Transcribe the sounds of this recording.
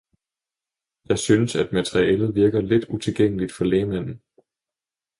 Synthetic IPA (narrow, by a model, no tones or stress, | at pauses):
jɑ̈ɪsynəsæd̥mæt͡sʰeʁiɛːlð̩ˠʋiɐɡ̥ɐle̝d̥ut͡sʰe̝lɡ̥eŋ̰əlid̥fɒ̽lɛːmæn̰n̩